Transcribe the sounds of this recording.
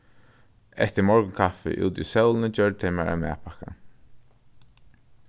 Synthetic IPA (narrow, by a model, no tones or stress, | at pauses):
ɛ̰t̪əmɔɹkʊŋkʰafɪ̰ʔṵːt̪isœwlˠnəd͡ʒœɹɖ̚t̪ʰemaɹʔa̰mɛ̰ːpʰaka̰